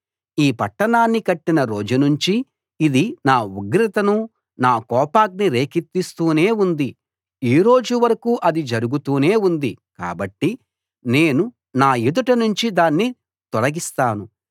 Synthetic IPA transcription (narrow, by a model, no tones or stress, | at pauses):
iːpɐʈːɐnaːnːikɐʈːinɐɾo̞ːd͡ʒunuɲt͡ʃiː | d̪inaːuɡɾit̪ɐnu | naːkɔːpaːk̚niɾe̞ːkit̪ːist̪uːne̞ːund̪i | iːɾo̞ːd͡ʒuʋɐɾɐkuːʔɐd̪id͡ʒɐɾuɡut̪uːne̞ːund̪ika̰ːbɐʈːi | ne̞ːnu | naːjud̪ɐʈɐnuɲt͡ʃid̪aːnːi | t̪ɔɽɐɡist̪aːnu